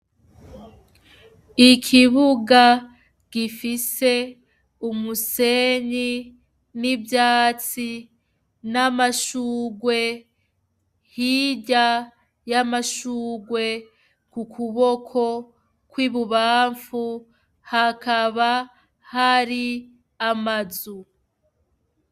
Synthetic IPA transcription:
ikʰiβuɡa | ɡ̥ifise̞ | umuse̞ɲi | nibjaːt͡si | namaʃuːɡwe̞ | hiɟa | jamaʃuːɡwe̞ | kukʰuβo̞kʰo̞ | kwiβuβaːɱfu | hakaβa | haɾi | amazu

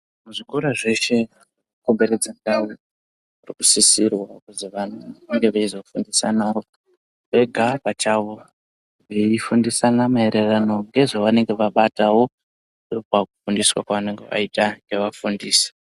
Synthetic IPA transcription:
muʐikoɾaʐe̞ʃe̞ | ukombeɾed͡zandawo | murikusisirwakuziʋan̤uaŋɡe̞ʋeizo̞fundisa̰nao | ʋe̞ɡʱapat͡ʃaːʋo̞ | ʋeifundisanamae̞ɾe̞rano̞ŋɡe̞ʐoʋane̞ŋɡe̞ʋaɓatawo̞ | ndopakufundiswa̰kwaʋane̞ŋɡḛʋa̰itaŋɡe̞ʋafundiːse̥

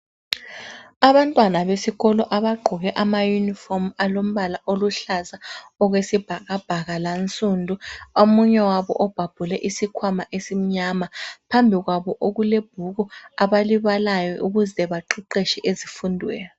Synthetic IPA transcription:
aβantʼwanaβesiɣɔlɔʔaβaɡ͡ǃʱɔɣɛʔamajunifɔmalom̩βalaʔoluɬazaɔɣwesib̥ʱaɣab̥ʱaɣalant͡sʼundʱuomuɲɛwaβɔ̰ʔɔb̥ʱab̥ʱulɛʔisikʰwamaʔesim̩ɲamapʰambʱiɣwaβɔʔoɣuleb̥ʱuɣɔaβaliβalajɔʔuɣuzɛβaǃʰiǃeʃɛʔezifundʱwɛːjɔ

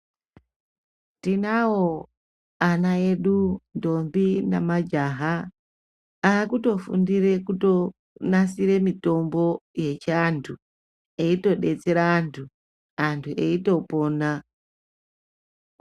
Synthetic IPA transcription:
tinawo | anae̞ɗundo̞mbinamad͡ʒaɦa | kuto̞fṵndiɾe̞kuto̞ | nasiɾe̞mito̞mbo̞je̞t͡ʃantʰu | e̞ito̞ɗe̞t͡seɾaːntʰu | antʰuʔe̞ito̞po̞ːna

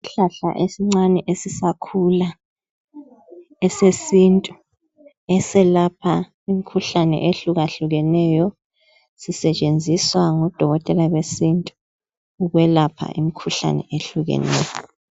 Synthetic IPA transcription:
iɬaɬa̰ʔesiŋ͡ǀanɛʔesisakʰula | ɛsesintʼu | ɛsɛlapʰa | imikʰuɬanɛ̰ʔeɬuɣaɬuɣɛnɛjɔ | sisɛt͡ʃʼend͡zʱiswaŋɔd̥ʱɔɣɔtʼɛlaɣwesintʼu | uɣwɛlapʰa̰ʔimikʰuɬa̰nɛ̰ʔeɬuɣɛ̰nɛ̰ːjɔ

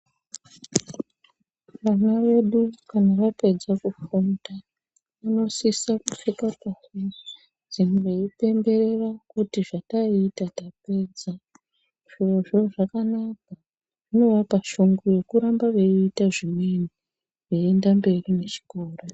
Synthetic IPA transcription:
ʋanaʋe̞ɗukanaʋape̞d͡zakufunda | ano̞sisakuʂikapasi | d͡zineipe̞mbe̞ɾe̞rakutiʐataitatape̞ːd͡za | ʐ̥oʐo̞ʐakanak̚a | ʐino̞ʋapaʃuŋɡoje̞kuɾambaʋeiːtaʐimwe̞ni | ʋeendambe̞rine̞t͡ʃi̥koːro

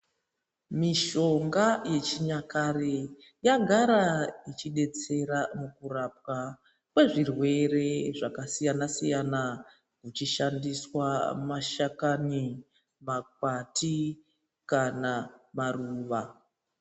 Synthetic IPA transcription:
miʃo̞ŋɡaje̞t͡ʃiɲakare | jaɡʱaɾait͡ʃiɗe̞t͡se̞ɾamukurap̚wa | kwe̞ʐirwe̞re̞ʐakasijanasijana | kut͡ʃiʃandiswamaʃakani | makati | kanamaruːʋa

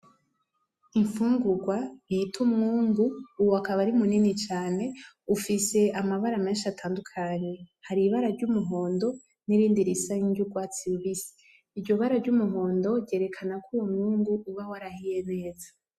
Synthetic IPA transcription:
iɱfuːŋɡuɡwajitʰumŋuːŋɡuːwakaβaɾimuninit͡ʃaːne̞ | ufise̞ʔamaβaɾame̞ːnʃatʰaːndukʰaɲe̞haɾiβaɾaɾɟumuɦo̞ːndo̞ | niɾiːndiɾisaɲiɲɟuɡwaːt͡siuβisi̥ː | ɾɟo̞βaɾavɟumuɦo̞ːndo̞ɾɟe̞ɾe̞kʰanakuwomŋuːŋɡuʔuβawaɾahije̞ne̞ːza

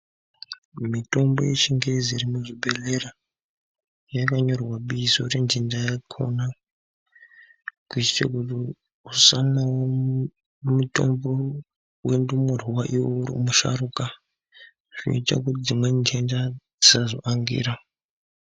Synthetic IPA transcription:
mito̞mbo̞̰jet͡ʃiŋɡeziɾimuʐibelera | jakaɲo̞rwaɓiːsorend͡ʒendajakʰo̰na | kut͡ʃi̥t͡ʃa̰kuti | usanawo | muto̰mbo | wendumur̤uwaʔiwouɾḭmuʃa̰ɾuka | ʐ̥ino̰ita̰kutid͡zimwe̞nd͡ʒenda | izazo̰ʔaŋɡḭːɾa

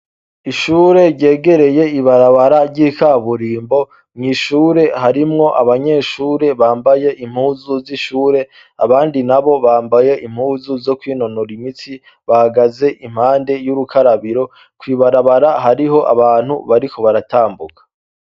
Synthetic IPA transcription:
iʃuːɾe̞ɾɟe̞ːɡe̞ɾe̞je̞iβaɾaβaɾaɾɟikʰaβuɾiːmbo̞ | mŋiːʃuːɾe̞haɾimŋo̞ʔaβaɲe̞ːʃuːɾe̞βaːmbaje̞ʔim̥huːzuziʃuːɾe̞ | aβaːndinaβo̞βaːmbaje̞ʔim̥huːzuzo̞kwiːno̞noɾimit͡si | βahaɡaze̞ʔim̥haːnde̞juɾukʰaɾaβiɾo̞ | kwiːβaɾaβaɾaɦaɾiɦo̞ʔa̰βaːn̥hṵβaɾiko̞βaɾatʰaːmbukḁ

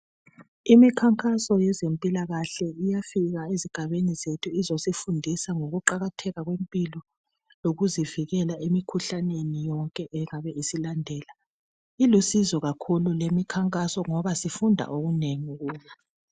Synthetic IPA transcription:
imikʰaŋkʼasɔjɛzempʼilaɣaɬɛijafiɣaeziɡ̥ʱaβenizetʰuizosifundʱisaŋoɣuǃaɣatʰɛɣaɣwempʼilɔ | loɣuziviɣɛlaemikʰuɬanenijɔŋkʼɛʔɛŋaβɛisilandʱɛːla | ilusizɔɣakʰululemikʰaŋkʼasɔŋɔβasifundʱa̰ʔoɣuneŋuɣuːja

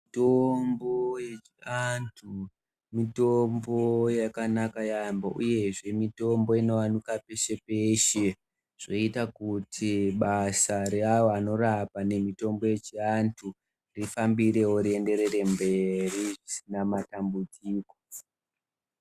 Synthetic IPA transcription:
itombo̞jet͡ʃiantʰu | mitombo̞jakanakajambaʔuje̞ʐe̞mito̞mbo̞ino̞anukape̞ʃe̞peʃe | ʐ̥o̞itakutʰiɓasaɾeawoano̞rapane̞mito̞mbo̞je̞t͡ʃiantʰu | rifambiɾe̞woɾie̞nde̞ɾe̞re̞mbe̞riʐisinamatambud͡ziːko

